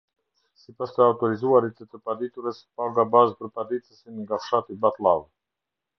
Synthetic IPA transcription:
sipast̪ɛaut̪oɾizuaɾit̪ət̪əpad̪it̪uɾəsə̥paɡabazpɾəpad̪it̪səsiniɡafʃat̪ibat̪lav

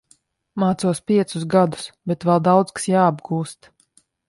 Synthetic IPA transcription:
maːt̪suɔspʲiɛt̪susɡad̪u̥sbɛt̪vɛlˠd̪awd̪zkḁsjaːbɡuːst̪

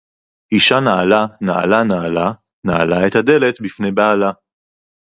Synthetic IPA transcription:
ʔiʃanaalanaʔa̰lanaala | naa̰laet̪had̪e̞le̞t̪bifnejbaala

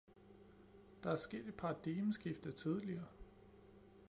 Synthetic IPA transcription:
d̥ɑ̈æɐsɡ̥e̝̰ːd̥əpʰɑːd̥iməsɡ̥ifd̥ɐt͡sʰið̞ˠliɐː

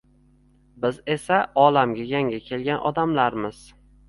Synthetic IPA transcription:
bɪze̞saɒlamɡʲajaŋʲakʲʰe̞lɡʲanʔɒ̰d̪amlaɾmɪz̥

